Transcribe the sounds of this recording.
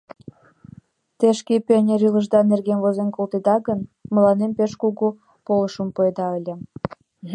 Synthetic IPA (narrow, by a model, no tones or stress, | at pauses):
t̪eʃkepenʲeɾyləʒd̪ɑnerɣenvozenkolt̪ed̪ɑɣənməlɑnempeʃkuɣu | poləʃəmpoed̪ɑəlʲĕ